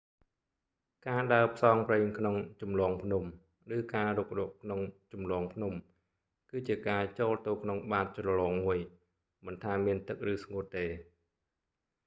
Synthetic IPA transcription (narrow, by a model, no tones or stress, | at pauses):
kaːɗaəpʰsɑːŋpreːŋkʰnoŋt͡ɕumlɔːŋpʰnum | rɨːkaːruk̚rɔəʔkʰnoŋt͡ɕumlɔːŋpʰnum | kɨːt͡ɕiəkaːt͡ɕoːlt̪oːkʰnoŋɓaːt̪̚t͡ɕrɔlɔːŋmuəj | mənt̪ʰaːmiənt̪ɨk̚rɨːsŋuət̪ːeː